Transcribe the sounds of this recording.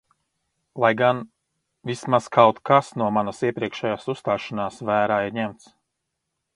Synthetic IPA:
lˠajɡan | vismaz̥kʰawt̪kʰasnuɔmanasiɛpɾiɛkʃɛjaːsust̪aːʃanaːsvæːɾaːiɾɲɛmt̪s

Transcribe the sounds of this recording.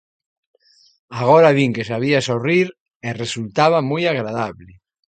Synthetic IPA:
aɣ̞oɾaβiŋkesaβiasoriɾ | eresult̪aβamujaɣɾaðaβle

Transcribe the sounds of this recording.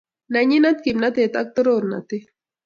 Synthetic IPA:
naɲinat̪kimnat̪et̪ak̚t̪oɾoɾna̰t̪i

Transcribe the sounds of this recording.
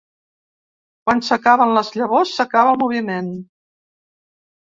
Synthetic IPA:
kwansəkaβənləzʎəβosːəkaβəlˠmuβimen

